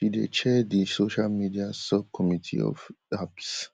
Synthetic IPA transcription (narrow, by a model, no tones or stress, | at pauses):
ʃidḛt͡ʃʰɛdisoʃalmidiasɔb̚kʰɔmitʰḭɔ̰f | aps